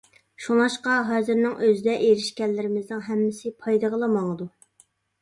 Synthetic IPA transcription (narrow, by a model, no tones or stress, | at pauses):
ʃuŋɑʃqɑɦɑzɪɾnɪŋøzɪd̪ɛʔeɾɪʃkʲɛlːɪɾɪmɪznɪŋɦɛmːɪsɪpʰɑjd̪ɨʁəlˠəmɑŋəd̪u